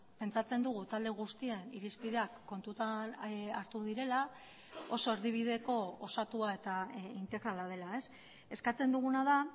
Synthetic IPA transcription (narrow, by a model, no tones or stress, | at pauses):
pe̞nt͡sat͡se̞nd̪uɣ̞ut̪ald̪e̞ɣ̞ust̪ieniɾispiðe̞akːo̞nt̪ut̪anaɾt̪uð̞iɾe̞la | o̞so̞e̞ɾðiβ̞ið̞e̞ko̞osat̪uae̞t̪aint̪e̞ɣɾalaðe̞lae̞s | e̞skat͡se̞nd̪uɣ̞unað̞a